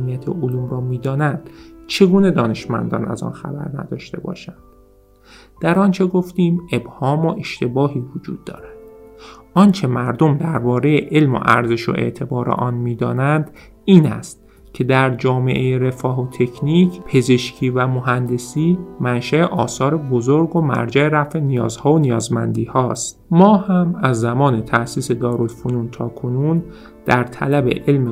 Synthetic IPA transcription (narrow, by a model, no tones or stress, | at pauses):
mijæt̪ʰḛʔoluːmrɒːmiːd̪ɒːnænd̪̥t͡ʃʰe̞ɡuːne̞d̪ɒːne̞ʃmæ̰nd̪ɒ̰ːnæ̰zɒ̰ːnxæ̰bæ̰ɾnæ̰d̪ɒːʃt̪e̞̰bɒ̰ːʃænd̪̥̚ | d̪̥æɾɒnt͡ʃʰe̞ɡoft̪iːme̞bhɒːmoʔe̞ʃt̪e̞bɒːɦiːvod͡ʒṵːd̪ːɒ̰ːɾæd̪̥ʔɒːnt͡ʃʰe̞mæɾd̪o̞md̪æɾbɒːɾe̞je̞ʔe̞lmo̰ʔæ̰ɾzeʃo̰ʔe̞̰ʔt̪ʰe̞bɒːɾḛʔɒːnmiːd̪ɒ̰ːnænd̪̥ | iːnæ̰st̪ | cʲʰe̞d̪æɾd͡ʒɒːme̞ʔejeɾe̞fɒːɦot̪ʰe̞cʰniːcʰpʰe̞ze̞ʃcʰiːvæmoɦænd̪e̞siːmænʃæeʔɒːsɒːɾe̞bozoɾɡomæ̰ɾd͡ʒæeɾæfenijɒːzhɒːonijɒːzmænd̪iːhɒːst̪mɒːhæmæzːæmɒːne̞t̪ʰæʔsiːse̞d̪ɒːɾo̞lfonunt̪ʰɒːkʰo̞nun | d̪̥æɾt̪ʰæ̰læbḛʔe̞lm